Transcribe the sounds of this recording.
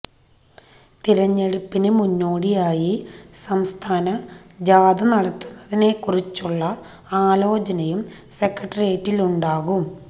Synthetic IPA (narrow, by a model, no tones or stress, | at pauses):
t̪iɾɐɲːeɽupːinɨmunːoːɽijaːjisɐmst̪ʰaːnɐd͡ʑaːd̪ɐnɐɽɐt̪ːunːɐðine̞kurit͡ɕːuɭːɐ | aːlo̞ːt͡ɕɐnɐjum | se̞kːɐʈːɐrieːtːiluɳɖaːɣum